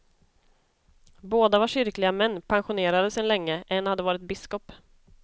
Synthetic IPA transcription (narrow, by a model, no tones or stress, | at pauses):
boːd̪avaʂʏɾklɪɡamɛnːpʰanɧʊneːɾad̪əsɛnlɛŋːəʔɛnːhad̪ːəvɑːɾɪt̪̚bɪskɔp